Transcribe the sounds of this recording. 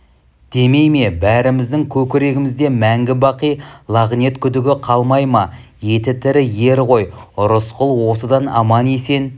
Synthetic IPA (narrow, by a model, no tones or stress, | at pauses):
d̪̥e̞me̞jme̞bæɾɪmɪzd̪ɪŋkʲʰɵkʲɪɾe̞ɡʲɪmɪzd̪e̞mæŋɡʲɪbɑqijlˠɑʁne̞t̪kʲʰʏd̪ɪɡʲɪqʰɑlˠmɑjmɑ | je̞t̪ɪt̪ʰɪɾɪje̞ɾʁo̞jʊɾəsqʊlˠwo̞səd̪ɑnɑ̰mɑne̞se̞n